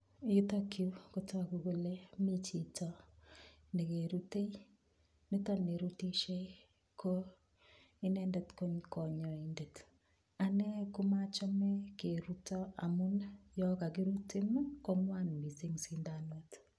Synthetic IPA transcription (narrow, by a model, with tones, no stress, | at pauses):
i˦tɔ˦ki˦ko˦ta˦ku˨ko˦le˦mi˦t͡ʃi˨tɔ | ne˨ke˨ɾu˦te˦i˦ | mi˦tɔ˦ne˨ɾu˦ti˦ʃe˦ | kʰo˦ | i˦nɛ˦ndɛ˦tko˦ɲkɔ˨ɲɔ˨inde˨t | a˨nɛ˦ku˦ma˦t͡ʃɔ˦mɛ˦ke˨ɾu˦tɔ˦a˨mu˦njɔ˦ka˨k̬i˦ɾu˦ti˦m˦kɔ˦ŋwa˦nmbi˨si˦ŋsi˦nda˨no˦t